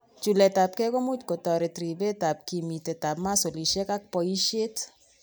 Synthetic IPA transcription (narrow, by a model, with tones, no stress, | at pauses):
t͡ʃu˨lɛ˨ta˨p̚kɛ˦ko˦mu˦tko˨tɔ˨ɾe˨tɾi˨be˦ta˨p̚ki˨mi˨te˨ta˨pma˦so˨li˨ʃe˦ka˦k̚pɔ˨i˦ʃe˦t